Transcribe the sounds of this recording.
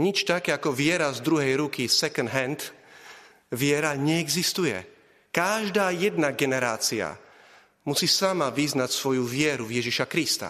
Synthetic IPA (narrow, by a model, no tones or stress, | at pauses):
ɲit͡ʃt̪akɛːakɔʋɪɛɾazd̪ɾuɦɛjɾukisɛkɔnd̪ɦɛnt̪ | ʋɪɛɾaɲɛɛɡzist̪ujɛ̰ | kaʒd̪aːjɛd̪naɡɛnɛɾaːt͡sia̰ | musiːsamaʋiznacsʋɔjuvɪɛɾuvjɛʒiʃakɾist̪a̰